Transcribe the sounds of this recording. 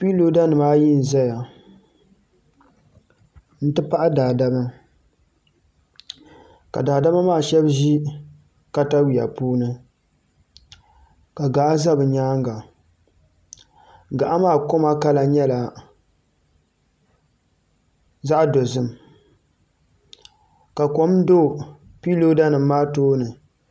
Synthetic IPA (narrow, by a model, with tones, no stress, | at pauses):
pi˦lo˦da˦nɨ˨maː˦ji˦n̩˨za˦ja˨ | n̩˦tɨ˦pa˦ʔa˦daː˨da˦ma˦ | ka̰˨daː˨da˦ma˦maː˦˨ʃɛ˦bʒi˦ | ka˦ta˦wi˨ja̰˨puː˦nɨ˦ | ka˨ɡa˨ʔa˦za˦bɨ˨ɲaː˦ŋɡa˨ | ɡa˨ʔa˦maː˦˨ko˦ma˦ka˦la˨ɲɛ˦la˨ | za˦ʔa˦do˨zɨ˦m | ka˨ko˦m˦do˦˨ | pi˦lo˦da˦nɨ˨mː˦aː˦toː˦nɨ˨